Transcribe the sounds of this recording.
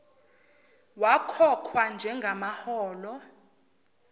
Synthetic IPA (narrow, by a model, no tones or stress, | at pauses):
wakʰɔkʰwand͡ʒʱɛŋɡʱamahɔːlɔ